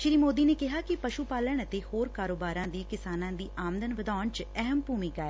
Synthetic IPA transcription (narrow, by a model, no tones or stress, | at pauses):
ʃɪɾiːmoːd̪iːneːkɪɦaːkɪpəʃupaːləɳ̃ət̪eːhoːɾkaːɾoːbaːɾãːd̪iːkɪsaːnãːd̪iːʔaːmd̪ənʋəd̪aːɳt͡ʃɛɦəmbʱuːmɪkaːɛː